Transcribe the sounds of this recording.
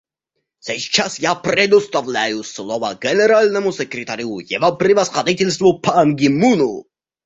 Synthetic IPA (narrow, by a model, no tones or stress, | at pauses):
sɛst͡ʃʰasjapɾɛd̪ust̪avlʲæjuslˠɔva̰ɡɛnɛɾalʲnɛmusɛkɾʲɛt̪ʰaɾʲiujɛvapɾivasχad̪it̪ʲɛlʲs̬t̪vupʰanɡimunu